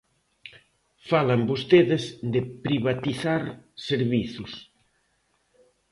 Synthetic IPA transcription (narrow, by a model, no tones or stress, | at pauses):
falambost̪eðɪzd̪epɾiβat̪iθaɾseɾβiθus